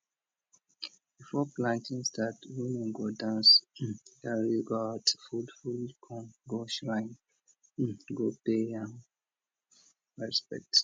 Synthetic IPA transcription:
b̥ifɔplãntĩnstatwinĩɡodãnsɡaɹiɡɔatfudfulkʰɔ̃nɡoʃɹãɪ̃n | ɡopeãn | ɹɛspɛ̰k̚t

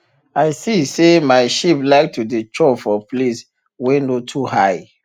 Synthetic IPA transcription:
aɪsisemaɪʃiplaɪk̚tʰudet͡ʃɔfɔplis | wɛnotʰuhaj

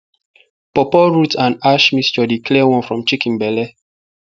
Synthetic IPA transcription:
pɔpɔɹutʰãnaʃmist͡ʃɔdikʰlɛwɔ̃nfɹɔ̃mt͡ʃikĩnbɛlɛ

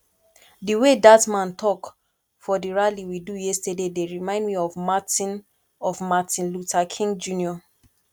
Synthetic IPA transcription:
diwedatmãntʰɔk | fɔdiɹaliwidujɛstədedeɹimãɪ̃ndmiɔvmatĩn | ɔvmatĩnlutʰakʰĩŋɡd͡ʒũniɔ

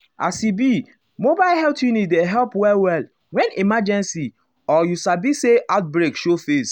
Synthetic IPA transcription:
a̰sibi | mobaɪlhɛltjunit̚deɦɛlpwɛlwɛl | wɛ̃nimad͡ʒɛ̃nsi | ɔjusabiseʔaʊt̚bɾekʃofes

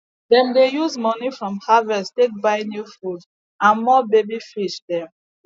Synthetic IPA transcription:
dɛ̃mdejuzmɔnifɹɔ̃mhavɛstek̚baɪnjufud | ãnmɔbebifiʃdɛ̃m

